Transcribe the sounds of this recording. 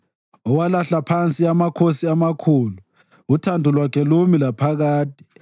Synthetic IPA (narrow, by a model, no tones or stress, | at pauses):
ɔwalaɬapʰant͡sʼiamakʰosiamakʰuːlu | utʰandʱulwakʰɛlumilapʰaɣaːtʰʼi̥